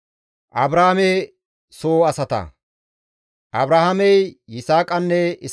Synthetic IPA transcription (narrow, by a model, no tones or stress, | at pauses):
ʔɐbɾaːameː | soːɐsɐt̪ɐ̰ | ʔɐbɾɐhɐmɛjːɪsaːkʼɐnːɛɪ